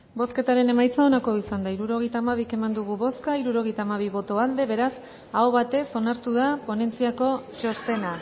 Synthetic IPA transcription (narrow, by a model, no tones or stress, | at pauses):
bo̞ske̞t̪aɾe̞ne̞majt͡sao̞nako̞isand̪aiɾuɾo̞ɣ̞e̞jt̪aːmaβ̞ike̞mand̪uɣ̞uβo̞skaiɾuɾo̞ɣ̞e̞jt̪aːmaβ̞iβ̞o̞t̪o̞ald̪e̞βe̞ɾas | aoβat̪e̞so̞naɾt̪uð̞apo̞ne̞nt͡siako̞t͡ʃo̞st̪e̞na